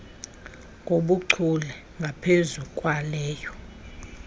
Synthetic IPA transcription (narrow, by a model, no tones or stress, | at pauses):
ŋɡʱoɓuǀʰulɛ | ŋɡʱapʰezukʼwalɛːjɔ